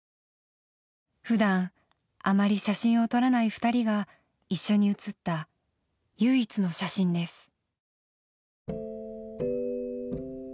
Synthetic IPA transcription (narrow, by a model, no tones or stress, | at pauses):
ɸɯ̟d̪ãŋ̃ | amaɾʲiɕaɕĩɰ̃ot̪o̞ɾanaiɸɯ̥t̪aɾʲiɡa | iɕːo̞ɲ̟iɯ̟t͡sɨt̪ːa | jɯːit͡sɨno̞ɕaɕĩnd̪e̞sɨ̥